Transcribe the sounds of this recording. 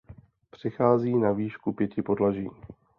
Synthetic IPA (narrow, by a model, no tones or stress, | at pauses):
pr̝̥ɪxaːziːnaviːʃkupjɛcɪpodlaʒḭː